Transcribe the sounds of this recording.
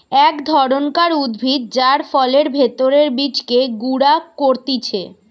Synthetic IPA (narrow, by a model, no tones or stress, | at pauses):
ɛkd̪ʱɔɾonkaɾud̪bʱit̪̚d͡ʑaɾfɔleɾbʱet̪oɾeɾbit͡ɕkeɡuɽakoɾt̪it͡ɕʰḛ